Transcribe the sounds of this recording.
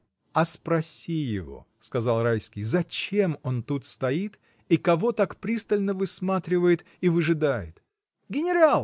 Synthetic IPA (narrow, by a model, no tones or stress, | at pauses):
ɐspɾɐsʲijɪvo̞̰ | skɐzɑlˠrajskʲɪjzɐt͡ɕe̞mo̞nt̪ut̪st̪ɐit̪ | ikɐvo̞t̪akpɾʲist̪əlʲnəvɨsmat̪ɾʲɪvəjɪt̪ | ivɨʐɨd̪ajɪ̰t̪ | ɡʲɪnʲɪɾalˠ